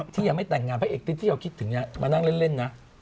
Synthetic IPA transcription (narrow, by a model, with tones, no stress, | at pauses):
t̪ʰiː˥˩jaː˨˩ma˥˩jt̪ɛ˨˩ŋːaː˧npʰɛ˦˥ʔeː˨˩k̚t̪ʰi˦˥t̪ʰːiː˥˩a˧wkʰi˦˥t̪ʰːɯ˨˩˦ŋna˧˥˩mʔaː˧na˥˩ŋle˥˩nle˥˩nːa˦˥ʔ